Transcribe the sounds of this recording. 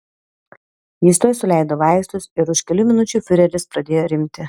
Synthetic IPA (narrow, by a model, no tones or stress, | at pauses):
jiːst̪oːjsʊlʲæˑɪd̪oːʋɑˑɪst̪ʊsɪɾʊʃkʲɛlʲʊmʲɪnʊt͡ʃʲuˑːfʲʊɾʲɛɾʲɪspɾɐd̪ʲeːjoːɾʲɪmʲt̪ʲɪ